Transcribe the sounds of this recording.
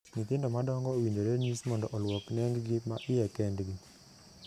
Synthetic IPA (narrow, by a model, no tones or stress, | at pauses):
nɪt̪ɪndɔmadɔŋɡɔwiɲd͡ʒoɾeɲismɔndɔʔɔlwɔknɛŋɡɡimaʔɪjɛkɛndɡi